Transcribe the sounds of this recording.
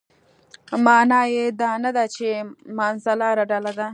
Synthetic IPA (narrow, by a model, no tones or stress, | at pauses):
mɑːnɑjed̪ɑnad̪at͡ʃemɑnzalɑɾaɖalad̪a